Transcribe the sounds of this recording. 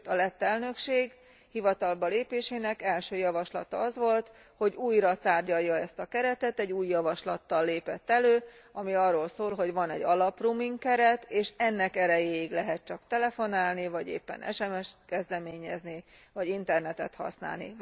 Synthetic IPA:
t̪ɒlɛt̪ːɛlnø̞kʃeːɡ | hivɒt̪ɒlbɒleːpeːʃeːnɛkɛlʃøːjɒvɒʃlɒ̰t̪ɒɒzʋo̞lt̪ | ho̞ɟuːjɾɒt̪aːrɟɒjːɒɛst̪ɒkɛɾɛt̪ɛt̪ɛɟːuːjːɒvɒʃlɒt̪ːɒlːeːpɛt̪ːɛløːɒmiɒrːoːlsoːlɦo̞ɟvɒnɛ̰ɟɒlɒprumiŋkkɛɾɛt̪eːʃɛnːɛkɛɾɛjeːiɡlɛɦɛt̪̚t͡ʃɒkt̪ɛlɛfo̞naːlnivɒɟḛːpːɛ̰nʔɛ̰ʃɛmɛʃkɛzd̪ɛmeːɲɛznivɒɟint̪ɛrnɛt̪ɛt̪hɒ̰sna̰ːlnḭ

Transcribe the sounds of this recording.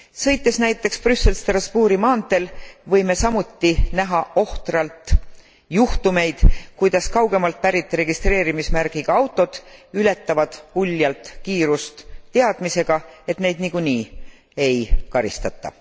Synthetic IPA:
sɤ̞jt̪ːˑe̞snæjt̪ːˑe̞kspryse̞lst̪rɑspuːɾimɑːnt̪e̞lvɤ̞jme̞sɑmut̪ːinæɦɑʔo̞ht̪rɑlt̪ | juht̪ume̞jd̪̥kujd̪̥ɑskɑwɡe̞mɑlt̪̚pæɾit̪ːˑɾe̞ɡist̪re̞ːɾimismæɾɡ̥iɡ̥ɑɑwt̪ːˑo̞d̪̥yle̞t̪ːˑɑvɑd̪̥ulʲːjɑlt̪ˑkiːɾust̪ːeɑd̪̥mise̞ɡ̥ɑe̞t̪ne̞jd̪niɡ̥uniː | e̞jkɑɾḭst̪ɑt̪ːˑɑ̰

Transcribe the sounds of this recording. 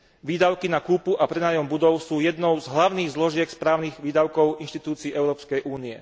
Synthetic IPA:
ʋiːd̪aʊkinakuːpuʔapɾɛnaːjɔmbud̪ɔʊsuːjɛd̪nɔʊzɦlaʊniːɣzlɔʒɪɛkspɾaːʊniɣʋiːd̪aʊkɔʊinʃt̪it̪uːt͡siːɛʊɾɔːpskɛjʔuːniɛ̰

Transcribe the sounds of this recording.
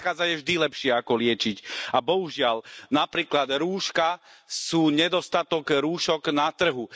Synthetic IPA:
xaːd͡zajɛvʒd̪ilɛpʃɪɛakɔlɪɛt͡ʃicabɔɦuʒɪalnapɾiːklad̪ɾuːʃkasuːɲɛd̪ɔst̪at̪ɔɡɾuːʃɔɡnat̪r̩ɦu

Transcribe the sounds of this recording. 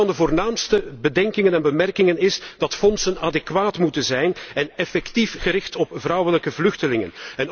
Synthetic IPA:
ɑndəvoːrnaːmstəbədɛŋkɪŋənɛnbəmɛrkɪŋənɪsd̥ɑtfɔnsənadɛkʋaːtmutənzɛjnɛnɛfɛktifɣəɾɪxtɔpvrɑwələkəvlɵxtəlɪŋə̰nɛn

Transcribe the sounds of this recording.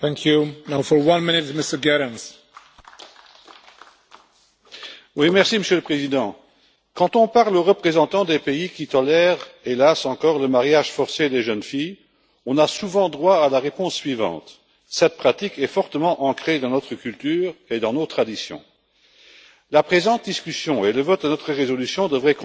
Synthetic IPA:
θæ̃ŋkʰjunaʊfə˞wʌ̃nmɪ̃nɪtmɪstə˞ɡɛɹə̃nz̥ | wimɛʁsiməsjøləpχezid̪ɑ̃ | kɑ̃t̪ɔ̃paʁloʁəpχezɑ̃t̪ɑ̃d̪epeikit̪ɔlɛʁelasɑ̃kɔːʁləmaʁjaʒfɔʁsed̪eʒənfij | ɔ̃nasuvɑ̃d̪ʁwaalaʁepɔ̃sːɥivɑ̰̃t̪ | sɛt̪̚pχat̪ikɛfɔʁt̪əmɑ̃ʔɑ̃kχed̪ɑ̃nɔt̪χəkylt̪yːʁed̪ɑ̃not̪χad̪isjɔ̰̃ | lapχezɑ̃t̪̚d̪iskysjɔ̃eləvɔt̪̚d̪ənɔt̪χəʁezɔlysjɔ̃d̪əvʁɛk

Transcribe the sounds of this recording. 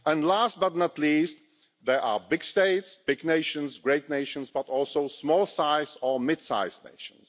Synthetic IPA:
ə̃ndlast̚bʌtnətliːst̪ | ðɛʔabɪɡsteɪtsb̥ɪɡneɪʃə̃nzɡɹeɪtneɪʃə̃nzbatɔlˠsoʊsmɔlˠsaɪsɔmɪd̥sa̰ɪznḛɪʃə̰̃ns

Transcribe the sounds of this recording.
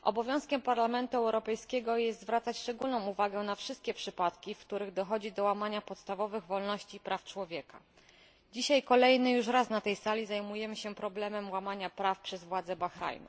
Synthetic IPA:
ʔɔ̰bɔvʲjɔ̃w̃skʲɛmpaɾlamɛnt̪uɛwɾɔpɛjskʲɛɡɔjɛst̪zvɾat̪sat͡ɕʂt͡ʂɛɡulnɔ̃w̃uvaɡɛnafʂɘst̪̚kʲɛpʂɘpat̪kʲifkt̪uɾɘɣd̪ɔxɔd͡ʑid̪ɔwamaɲapɔt̪st̪avɔvɘɣvɔlnɔɕt͡ɕipɾaft͡ʂwɔvʲjɛka̰ | d͡ʑiɕajkɔlɛjnɘjuʂɾasnat̪ɛjsalʲizajmujɛmɘɕɛpɾɔblɛmɛmwamaɲapɾafpʂɛzvwad̪zɛbaxɾa̰jnṵ

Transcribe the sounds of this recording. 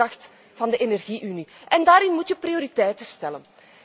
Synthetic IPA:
ɑxt | v̥ɑndəʔenɛrɣiʔyniʔɛndaːɾɪnmutjəprioɾitɛjtəstɛlən

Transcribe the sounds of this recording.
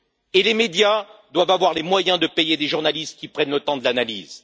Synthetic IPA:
elemed̪jad̪wavavwaʁlemwajɛ̃d̪əpejed̪eʒuʁnalist̪̚kʲipχɛnlət̪ɑ̃d̪əlanaliz

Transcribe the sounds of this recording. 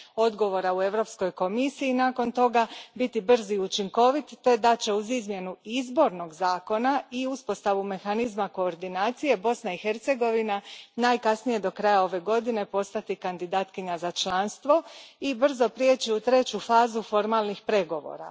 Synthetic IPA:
o̞d̪ɡo̞ʋo̞ɾaue̞ʋɾo̞psko̞jko̞misiːnaːko̞nt̪o̞ɡabit̪ibr̩ziut͡ʃiŋko̞ʋit̪ːe̞d̪at͡ɕe̞uzizmje̞nuizbo̞ɾno̞ɡzaːko̞naiuspo̞st̪aʋume̞xanizmako̞ːɾd̪inaːt̪sije̞bo̞snaixe̞ɾt̪se̞ɡo̞ʋinanaːjkasnije̞d̪o̞kɾajao̞ʋe̞ɡo̞d̪ine̞po̞st̪at̪ikand̪id̪aːt̪kiɲazat͡ʃlˠanst̪ʋo̞ibr̩zo̞pɾje̞t͡ɕiut̪ɾe̞t͡ɕufaːzufo̞ɾmaːlˠnixpɾe̞ɡo̞ʋo̞̰ːɾa̰

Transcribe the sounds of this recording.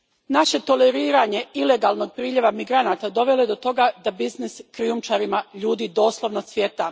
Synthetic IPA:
naʃe̞t̪o̞leɾiːɾaɲe̞ile̞ɡaːlno̞ɡ̚pɾiːʎe̞ʋamiɡɾanat̪ad̪o̞ʋe̞le̞d̪o̞t̪o̞ɡad̪abizniskɾiumt͡ʃaɾimaʎuːd̪iːd̪o̞ːslˠo̞ʋnosʋjet̪a

